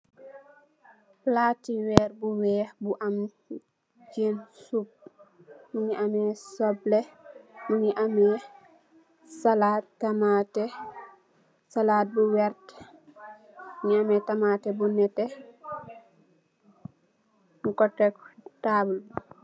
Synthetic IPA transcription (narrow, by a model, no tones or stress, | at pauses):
laːtiwɛːɾbuwɛːbuʔam | d͡ʒensub̚ | muɲiʔamɛsɔblɛmuɲiʔamɛ | salaːttamatɛ | salaːt̚buwɛɾt | muɲiamɛtamatɛbunɛtɛ | ŋkɔtːɛktabulbu